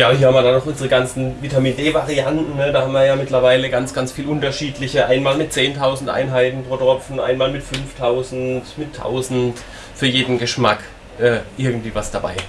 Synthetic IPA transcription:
jaːhiɐhamviɐdanɔχʔʊnzəʁəɡant͡sn̩vitamiːndeːvaʁiantn̩nəd̥aːhamviːɐjaːmɪtlɐvaɪləɡant͡sɡ̥ant͡sfiːlʔʊntɐʃiːtlɪçəʔaɪnmaːlmɪt̚t͡seːntʰaʊzn̩tʔa̰ɪnɦaɪtn̩pʁ̥oːdʁɔpp͡fn̩ʔa̰ɪnmaːlmɪtfʏnftʰaʊzn̩tmɪtʰːa̰ʊzn̩t | fyːɐjeːdn̩ɡəʃmak | ʔɛːʔɪɐɡŋ̩tv̥iːvasd̥aba̰ɪ

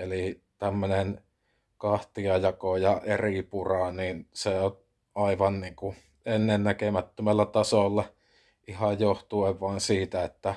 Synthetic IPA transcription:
eli | t̪æmːønen | kɑht̪iɑjɑkojɑʔeripurɑniːnseo | ɑiʋɑnniːŋku | enːennækemæt̪ːømælːæt̪ɑsolːɑ | ʔihɑjjoht̪ueʋʋɑˑensiːt̪æet̪ːæ

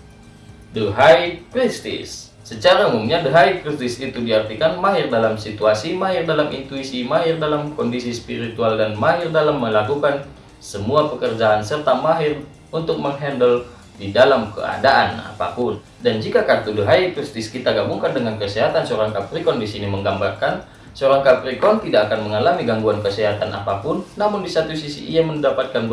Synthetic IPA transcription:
dəɦaikɾist̪ɪ̰sː | ət͡ʃaɾaumumɲadəɦaikɾist̪ɪsit̪udiɦart̪ikanmaɦɪrdalamsit̪uasimaɦɪrdalamʔḭnt̪uisimaɦɪrdalamkɔndisispiɾit̪ualdanmaɦɪrdalamːəlakukan | səmuapəkərd͡ʒaːnsərt̪amaɦɪr | unt̪ʊk̚məŋɦɛndəl | didalamkə̰a̰daʔana̰pa̰pʊn | dand͡ʒikakat̪uduɦait̪ɾust̪iskit̪aɡabuŋkandəŋankəsɛɦat̪ansəoɾaŋkapɾikɔndisiniməŋɡambarkan | səoɾaŋkapɾikɔnt̪idakakanməŋalamiɡaŋɡuankəsɛɦat̪ana̰papʊnːamʊndisat̪usisḭʔiaməndapat̪̚kan

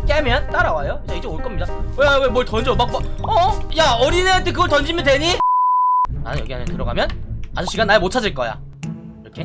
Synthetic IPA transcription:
k͈emjʌnt͈aɾawajot͡ɕ͈aid͡ʑeoɭk͈ʌmɲidawewemwʌɭtʌnd͡ʑiopak͈uaʌjaʌɾinet̪ʰekɯɡʌɭtʌnd͡ʑimjʌntweɲi | na̰nnjʌɡiɦamʌntɯɾʌɡa̰mjʌna̰sʰoɕ͈iɡanːaɭmot͡ɕʰad͡ʑɯɭk͈ʌja̰ | iɾʌkʰe

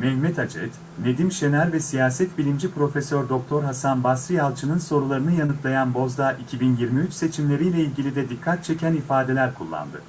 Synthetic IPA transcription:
mɛhmɛt̪ʰad͡ʒɛ̰t̪ | ne̞d̪imʃe̞næɾvɛsijaːsɛt̪bilʲimd͡ʒipɾo̞fesøɾd̪o̞k̚t̪ʰo̞ɾɦasanbasɾijalˠt͡ʃʰɯnɯnso̞ɾulˠaɾɯnɯjanɯk̪lˠajanbo̞zd̪aʔicʰibinjiɾmiyt͡ʃse̞t͡ʃʰimlʲe̞ɾijlʲɛilʲɟilʲid̪ɛd̪ikʰːat̪̚t͡ʃʰe̞cʰænifaːd̪e̞lʲæɾkʰulˠːa̰nd̪ɯ̰

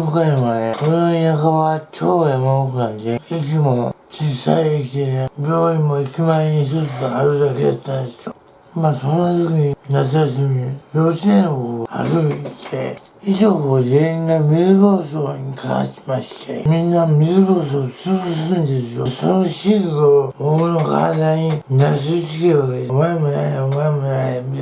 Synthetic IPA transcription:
kaĩβanekonoinakaβakʲʰoːjamaokɯnãnd̪eik̬ʲimot͡ɕiːsa̰iek̬ʲit̪enebʲjo̞ːĩmːo̞ikʲimaeɲiçt̪ot͡sɨɡaːɾɯ̟d̪aked̪a̰t̪ːãnd̪esɨ̥t̪o | masõ̞nːat̪ɨkiɲinat͡s̬ɨjas̬ɨmibʲo̞ːt͡ɕinẽnoa̰ɾɯt̪ʰe̞̰iʑoːkoʑeĩŋɡamebo̞ːsoːɲ̟ikʰa̰ã̰ɕi̥maɕi̥t̪ʰḛmʲĩnːamʲizɨboːs̬oːt͡sɨbɯs̬ɨ̃nd̪e̞sɨjosonoɕiɡɯɡobokɯno̞ka̰d̪aɲinas̬ɨt͡ɕikeoɡ̪emaemona̰amaemonaami

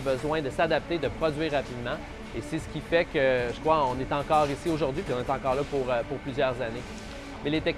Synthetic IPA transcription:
bəzwɛ̃d̪əsad̪ap̚t̪ed̪əpχɔdzɥiʁːapid̪mɑ̃ | esesə̥kʲifɛkʲəʒəkχʁwaɔ̃net̪ɑ̃kɑːʁisioʒʊʁd̪ɥipiɔ̃net̪ɑ̃kɑːʁlapuʁəpʊʁplyzjœʁzane | mɛlet̪ɛk̚

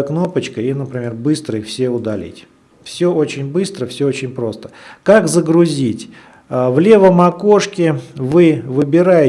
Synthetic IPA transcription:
kno̞pət͡ɕkəinəpɾʲɪmʲe̞rbɨst̪ɾəɪfsʲeʊd̪ɐlʲḭtʲ | fsʲɵʔo̞t͡ɕɪnʲbɨst̪ɾəfsʲɵot͡ɕɪnʲpɾo̞st̪ə̥kakzəɡɾʊzʲitʲː | vlʲe̞vəmɐkoʂkʲɪvɨvɨbʲɪɾajɪ

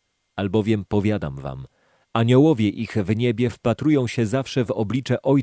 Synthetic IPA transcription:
albɔvʲjɛmpɔvʲjad̪a̰mva̰m | aɲɔwɔvʲjɛʔiɣvɲɛbʲjɛfpat̪ɾujɔ̃w̃ɕɛzafʂɛvɔblʲit͡ʂɛʔɔj

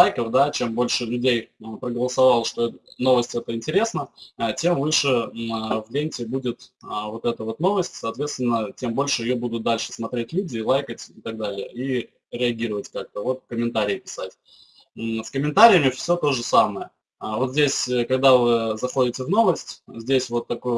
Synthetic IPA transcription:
ajkəfd̪at͡ɕembo̞lʲʂɨlʲʉdʲejpɾəɡəlˠəsɐvalˠʂt̪o̞ɛno̞vəsʲtʲɛt̪əɪnʲtʲɪɾʲe̞snət͡ɕʲe̞mvɨʂɨvlʲenʲtʲɪbudʲɪt̪əvo̞t̪ɛt̪əvo̞t̪no̞vəsʲtʲsɐːt̪vʲe̞t̪st̪vʲɪnːət͡ɕʲe̞mbo̞lʲʂɨɪjobud̪ʊt̪̚d̪alʲʂɨ̥smɐt̪ɾʲetʲlʲudʲɪːlˠajkətʲɪt̪ɐɡ̚d̪alʲɪjə̰i | ɾʲɪɐɡʲiɾəvətʲkak̚t̪əvo̞t̪kəmʲɪnt̪aɾʲɪɪpʲɪ̥satʲ | skəmʲɪnt̪aɾʲɪjəmʲɪfsʲot̪o̞ʐɨsaməjə | vo̞t̪zʲdʲesʲkɐɡ̚d̪avɨzɐxo̞dʲɪtʲɪvno̞vəsʲtʲzʲdʲesʲvo̞t̪ːɐkoj

